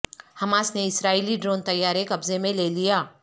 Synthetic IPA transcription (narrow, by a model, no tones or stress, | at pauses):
hɐmaːsneɪsɾaːiliɖɾoːnt̪ɐjːaːɾekɐbzemẽlelijaː